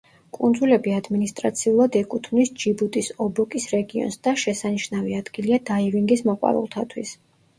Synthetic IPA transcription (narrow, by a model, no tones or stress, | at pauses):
kʼund̪zulɛbiad̪minist̪ʼɾa̰t̪sʰiulˠad̪ɛkʼut̪ʰvnisd͡ʒibut̪ʼisɔbɔkʼisɾɛɡiɔ̰nsd̪̥aʃɛsaniʃnaviad̪̥ɡiliad̪aiviŋɡismɔqʼwa̰ɾṵlˠt̪ʰat̪ʰwḭs